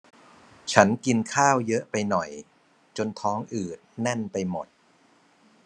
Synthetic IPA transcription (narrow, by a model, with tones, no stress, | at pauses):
t͡ɕʰa˦˥nki˧nkʰaː˥˩wjɤ˦˥ʔpa˧jnɔ˨˩j | t͡ɕo˧nt̪ʰɔː˦˥ŋʔɯː˨˩t̪̚nɛ˥˩npa˧jmo˨˩t̪̚